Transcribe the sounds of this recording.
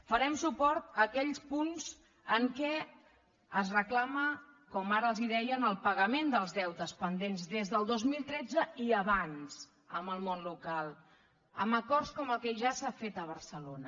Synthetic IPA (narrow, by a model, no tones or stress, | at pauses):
fəɾɛmsupɔɾt̪əkɛʎspunz̥ | əŋkɛ | əzrəklaməkɔmaɾəəlˠziðɛjənəlˠpəɣəmend̪əlˠzðɛwt̪əspənd̪enzdezðəlˠd̪ozmilˠt̪ɾɛd͡zəiəβanz̥ | əmbəlˠmonlukalˠ | ə̰məkɔrskɔməlˠkɛʒasafet̪əβ̞əɾsəlonə